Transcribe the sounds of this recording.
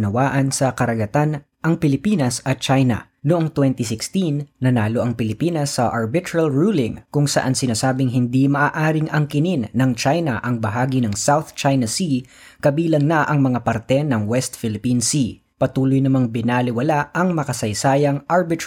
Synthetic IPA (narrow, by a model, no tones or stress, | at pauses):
nɐwaːʔɐnsɐkɐɾɐɡɐt̪an | ʔɐŋpɪlɪpiːnɐsɐt̪̚t͡ʃajnɐ̰ | noʊʔoŋt̪wɛnt̪ɪsɪkst̪inːɐnaːloʔɐŋpɪlɪpiːnɐsːɐʔɐɹbɪt̪ɹɐlɹuːlɪŋkʊŋsɐ̰ʔansɪnaːsaːbɪŋɦɪnd̪imɐʔaːʔaːɾɪŋɐŋkɪninːɐŋt͡ʃajnɐʔɐŋbɐɦaːɡinɐŋsawθt͡ʃajnɐsi | kɐbiːlɐŋnɐʔɐŋmɐŋapɐɾt̪ɛnɐŋwɛst̪̚fɪlɪpinsi | pɐt̪uːlojnɐmaŋbɪnalɪwɐlaʔɐŋmɐkɐsɐjsaːjɐŋʔaɹbɪt̪